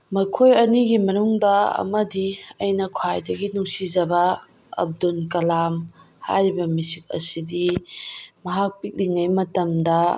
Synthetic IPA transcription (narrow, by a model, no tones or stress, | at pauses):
mɐkʰojɐniɡimɐnuŋdɐɐ̰mɐdiɐjnɐkʰwajdɐɡinuŋsizɐbɐ | ɐ̰b̚dunkɐlam | ha̰jɾibɐmisik̚ɐ̰sidi | mɐɦak̚pik̚liŋɐjmɐtɐmdɐ